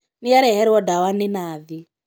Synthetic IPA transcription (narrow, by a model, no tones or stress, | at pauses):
niaɾɛɦɛɾiwɔdawaninaːði